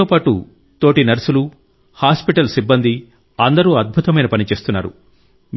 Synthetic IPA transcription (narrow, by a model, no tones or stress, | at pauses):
oːpaːʈṵ | t̪oːʈinɐɾɐsulu | haːspiʈɐlsibːɐnd̪ʱi | ɐnd̪ɐɾuːɐd̪̚bʱut̪ɐmɐjnɐpɐnit͡ʃe̞ːst̪unːa̰ːɾṵ | m